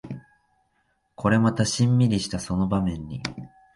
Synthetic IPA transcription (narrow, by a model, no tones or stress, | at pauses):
kʰo̞ɾe̞mat̪aɕĩmːʲiɾʲiɕi̥t̪aso̞no̞bamẽ̞ɲ̟ːi